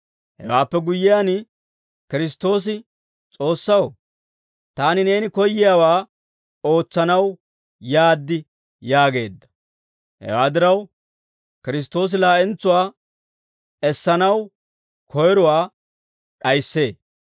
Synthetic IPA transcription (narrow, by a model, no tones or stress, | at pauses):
hɛ̰waːpːɛɡʊjːɪjaːn | kɪɾɪs̬t̪o̞ːs̬ɪ | t͡sʼo̞ːsːɐw | t̪aːnɪne̞ːnɪkɔjːɪjaːwaː | o̞ːt͡sːɐnɐw | jaːd̪ːɪ | jaːɡe̞ːd̪ːɐ̥ | hɛ̰waːd̪ɪɾɐw | kɪɾɪs̬t̪o̞ːs̬ɪlaːʔɛnt͡sːʊwaː | ɛsːɐnɐw | kʰɔjɾɔwaː | ɗɐjsːe̞ː